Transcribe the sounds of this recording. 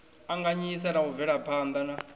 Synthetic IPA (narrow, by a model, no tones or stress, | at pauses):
aŋɡaɲisaɾauvɛɺapʰaːnd̪ana